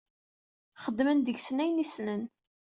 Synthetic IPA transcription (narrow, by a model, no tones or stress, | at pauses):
χəd̪ːmənd̪əʝsnæjnisnən